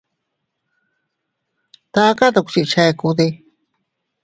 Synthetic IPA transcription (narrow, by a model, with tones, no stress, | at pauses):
t̪a˧˦ka˦t̪a˧ku̥˧t͡ʃi˧ʔt͡ʃa˧e˧ku˧ðe˧